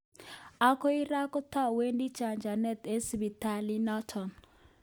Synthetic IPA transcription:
a˦kɔ˦i˦ɾa˦kɔ˦ta˦we˦ndi˦t͡ʃa˨ɲd͡ʒa˨nɛ˦t̪e˦sbi˨ta˦li˦nɔ˦tʰɔ˨n

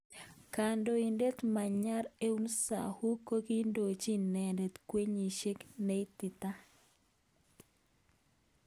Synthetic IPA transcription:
ka˨ndo˨i˨nde˦t̪ma˨ɲa˦ɾe˦u˦nsa̰˨hu˦ko˦ki˦ndo˨t͡ʃi˦nɛ˨nde˨t̪kwe˦ɲi˨ʃe˦kne˦i˦t̪ɪ˨t̪a˦

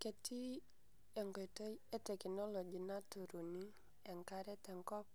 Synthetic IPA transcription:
ke˨tʰi˦ | ɛ˨ŋɡɔ˨tɔ˦e˦tɛ˨knɔ˦lo˨d͡ʒi˨na˦tu˨ɾu˨ni˦ | ɛ˨ŋka˦ɾɛ˦tɛ˨ŋkɔ˦p̚

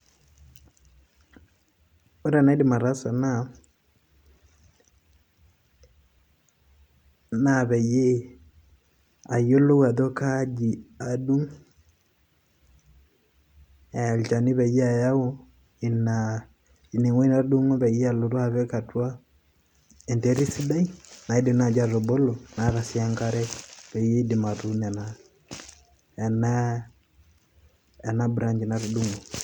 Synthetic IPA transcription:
o˦ɾa˦˨na˦di˨ma˨ɾa˦sa˨na˦˨ | na˦˨βɛ˨je˦ | a˨jo˦lo˦wa˨ðo˦ka˦d͡ʒi˨a˨du˦ŋ | ɛ˨lt͡ʃa˨ni˦βɛ˨ja˨ja˦o˦ | i˨na | i˨ni˨ŋwa˦i˦na˦ɾu˦du˦ŋɔ˦βɛ˨i˦a˦lo˨ɾu˦a˨βɛ˦ka˨twa˦ | ɛ˨ntɛ˦ɾi˦si˦da˦ina˨i˦di˨na˨d͡ʒa˦ɾɔ˨bɔ˦lɔ˨na˨˦ɾa˨si˨˦a˦ŋɡa˦ɾɛ˦βɛ˨je˦di˨ma˨ðu˦nɛ˨na | ɛ˨na˨ | na˦bu˨ɾa˦ɲd͡ʒi˨na˨ɾu˨du˦ŋɔ˨

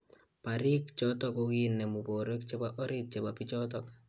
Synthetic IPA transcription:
pa˨ɾɪ˦kt͡ʃɔtɔkokinːɛ˨mu˨bo˨ɾo˦k̚t͡ʃe˦baʔɔ˦ɾɪt̚t͡ʃe˨bapi˦t͡ʃɔt̬ɔk

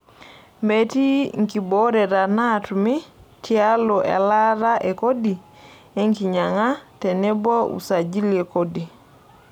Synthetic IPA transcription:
me˦ti˦ŋki˨bo˦ɾɛ˨ɾa˨na˦˨tumɪ˦tʰia˦lo˨ʔɛ̰˨la˦ɾa˦ʔe˨ko˦di˨ | e˦ŋki˨ɲa˨ŋa˦tɛ˨nɛ˦bɔ˦ṵ˨sa˨d͡ʒi˦lie˨ko˦di˨

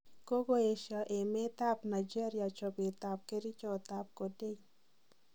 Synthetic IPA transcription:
ko˦ɡo˦e˨ʃa˨ʔe˨me˦t̪a˦pna˨d͡ʒe˦ɾɪ˦a˨t͡ʃɔ˨ɡɪ˨t̪a˨p̚ke˦ɾi˦t͡ʃɔ˦˨t̪a˨p̚ko˨de˦ɲ

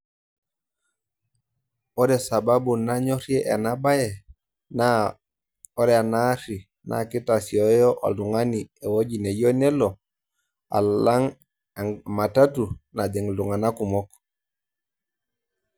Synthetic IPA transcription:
ɔ˦dɛ˨sa˨ba˦bu˨na˦ɲɔ˦ɾje˦ʔa̰˨na˦ba˦jɛ˨ | na˦ | ɔ˦ɾɛ˦a˨na˦ɾi˨ | nʔa̰˨ki˦ta˨siɔ˨jɔ˦ʔa̰˨lu˨ŋa˦ni˨e˨wo˦ɟi˨ne˨jɔ˦nɛ˦lɔ˨ | a̰˨la˦ŋ˨ | ma˨ta˦tu˨na˨dɛ˨ŋlu˨ŋa˨na˦ku˨mɔ˦k

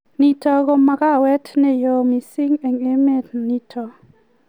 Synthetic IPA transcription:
ni˨tɔ˨ɡo˦ma˨ka˦wɛ˦tnɛ˨jo˨mi˨si˦ŋe˨ŋe˦me˦˨tni˦tʰɔ˨

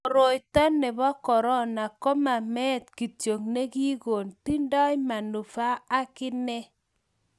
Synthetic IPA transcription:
o˨ɾo˨jta˦nːɛ˨bɔ˦kɔ˨ɾɔ˦na˨kɔ˦ma˨mɛ˦tki˨tjo˨ŋne˦ki˦ko˨nti˦ndɔ˦jma˨nu˨fa˦a˦kɪ˦nɛ˦

